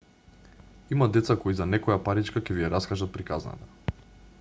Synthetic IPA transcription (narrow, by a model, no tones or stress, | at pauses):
imad̪ɛt̪sakɔizanɛkɔjapaɾit͡ʃkakɛvijaɾaskaʒat̪̚pɾikazna̰t̪a